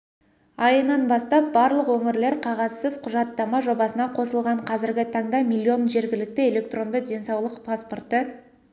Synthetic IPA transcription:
ɑjənɑnbɑst̪ɑp̚bɑɾlˠəqwɵŋɪɾle̞ɾqʰɑʁɑzsəzqʰʊʒɑt̪ːɑmɑʒo̞bɑsənɑqʰo̞səlˠʁɑɴqʰɑzɪɾɡʲɪt̪ʰɑɴd̪ɑmilʲːio̞nʒe̞ɾɡʲɪlɪk̚t̪ɪe̞le̞k̚t̪ro̞nd̪əd̪ʲe̞nsɑwlˠəqpʰaspo̞rt̪ə

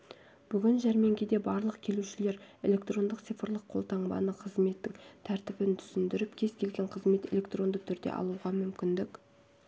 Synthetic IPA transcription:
b̥ʏɡʲɪnʒæɾme̞ŋɡʲed̪e̞bɑɾlˠəqkʲʰe̞luʃɪle̞ɾe̞̰lʲe̞kt̪ro̞nd̪əqt̪sijfəɾlˠəqʰo̞lˠt̪ɑɴbɑ̰nəqʰəzme̞t̪ːɪŋt̪ʰæɾt̪ɪbɪnt̪ʰʏ̥sɪnd̪ɪɾɪpkʲʰe̞zkʲʰe̞lɡʲe̞ɴqʰəzme̞t̪e̞lʲe̞kt̪ro̞nd̪ət̪ʰʏɾd̪ḛʔɑ̰lˠuʁɑmʏmkʲɪnd̪ɪk

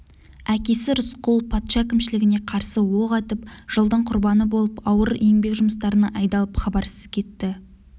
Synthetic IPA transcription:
ækʲe̞sɪɾʊsqʊlˠpʰɑt̪ʃɑkʲʰɪmʃɪlɪɡʲɪne̞qʰɑɾsəwoʁɑt̪əp̚ʒ̥əlˠd̪əɴqʰʊɾbɑnəbo̞lˠəpɑwəɾe̞ŋbe̞kʒʊməs̬t̪ɑɾənɑʔɑjd̪ɑlˠəpχɑbɑɾsəz̥kʲʰe̞t̪ːɪ

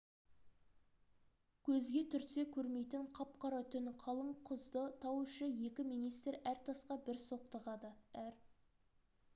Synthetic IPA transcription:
kʲʰɵzɡʲe̞t̪ʰʏɾse̞kʲʰɵɾme̞jt̪ɪɴqʰɑp̚qɑɾɑt̪ʰʏnqʰɑlˠəɴqʰʊzd̪ət̪ʰɑwuʃəje̞kʲɪmijnijst̪ɾæɾt̪ʰɑsqɑbɪɾso̞q̚t̪ɑʁɑd̪əæɾ

